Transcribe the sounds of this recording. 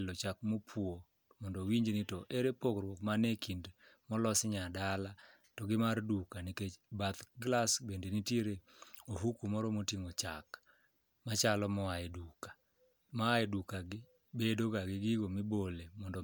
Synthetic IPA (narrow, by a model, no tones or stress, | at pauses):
lɔt͡ʃakmopʰwo | mɔndɔwiɲd͡ʒnɪtɔʔeɾepokrwɔkmanekʰindmɔlɔsɲadala | tɔɡɪmardukanikebat̪ɡlasbendenitjeɾe | oɦukumɔɾɔmotiŋot͡ʃa̰k | mat͡ʃalɔmɔaedukḁ | maaɛdukaɡɪ | bedoɡaɡɪɡɪɡomɪbolemɔndɔ